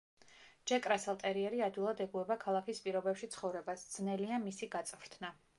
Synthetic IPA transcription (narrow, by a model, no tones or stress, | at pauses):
d͡ʒɛkʼɾasɛlˠt̪ʼɛɾiɛɾiad̪wilˠad̪ɛɡuɛbakʰalˠakʰispʼiɾɔbɛpʃit̪sʰχɔvɾɛbasd̪z̥nɛliamisiɡat̪sʼvɾt̪ʰna